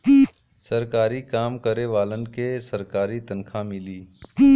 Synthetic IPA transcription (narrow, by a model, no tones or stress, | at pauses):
səɾkaːɾikaːmkəɾeʋaːlənkesɐɾkaːɾit̪ənkʰamɪliː